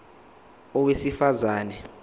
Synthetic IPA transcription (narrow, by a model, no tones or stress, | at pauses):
ɔwesifazaːnɛ